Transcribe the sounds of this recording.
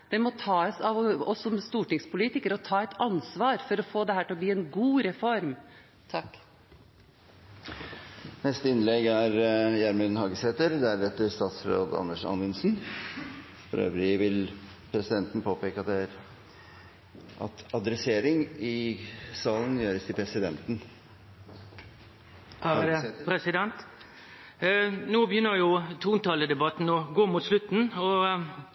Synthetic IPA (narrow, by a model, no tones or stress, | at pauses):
d̪̥ɛmɔt̪ʰɑːsɑʋɔsɔmst̪uːʈɪŋspʊliːt̪ɪkəɾɔt̪ʰɑːɛt̪ɑnsʋɑːɾfɔɾɔfoːd̪ɛhæːʈɪɔbliːɛnɡuːɾɛfɔɾm | t̪ʰɑkː | nɛst̪əɪnlɛɡæɾjæɾmʉnnhɑːɡəsheːt̪əɾd̪æɖɛt̪ːəɾst̪ɑːt̪sɾo̰ːd̪ɑ̰nːəʂɑ̰nʋɪnsn | fɔ̰ɾø̰ːʋɾɪʋɪl | pʰɾɛsɪd̪ɛnt̪n̩pʰoːpeːkəɑt̪̚d̪ɛæɾ | ʔɑ̰t̪ɑd̪ɾɛseːɾɪŋɪsɑːlən̩jøːɾəst̪ʰɪlpʰɾɛsɪd̪ɛnt̪n̩ | pʰɾɛsɪd̪ɛnt̪ | nuːbəjʏnːəjʊt̪ʰuːnt̪ɑləd̪ɛbɑt̪n̩ɔɡoːmuːt̪slʉt̪n̩ɔ